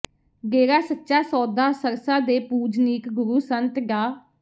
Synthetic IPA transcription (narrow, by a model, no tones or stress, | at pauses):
ɡeːɾaːsətːʃaːsɔːd̪aːsəɾsaːd̪eːpuːd͡ʒniːkɡʊɾuːsənt̪ɡaː